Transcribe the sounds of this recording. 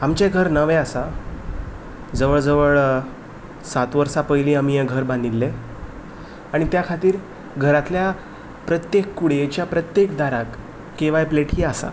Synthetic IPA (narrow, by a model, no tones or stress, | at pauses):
amt͡ɕeɡʱəɾnəʋeasa | d͡zəʋəɭd͡zəʋəɭ | sat̪ʋəɾsapəjlĩːamijɛɡʱəɾbãnd̪ilːe | aɽ̃it̪jakʰat̪iːɾ | ɡʱəɾat̪lja | pɾət̪jekːuɽet͡ɕjapɾət̪jekd̪aɾakː | eʋajpleʈiːasa̰